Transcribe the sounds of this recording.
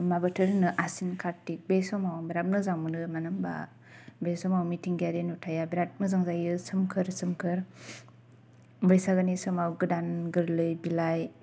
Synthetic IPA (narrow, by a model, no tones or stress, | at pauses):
mabɯtʰɯɾnɯʔasinkʰaɾtik̚besɔmawbiɾat̚nɯzaŋmɯnɯmanɯmba̰ | besɔmawmitʰiŋɡaɾenutʰajabiɾat̚nɯzaŋzajɯsɯmkʰɯɾsɯmkʰɯɾ | bɯjsaɡɯnisɯmawɡɯdanɡɯɾlɯjbilaj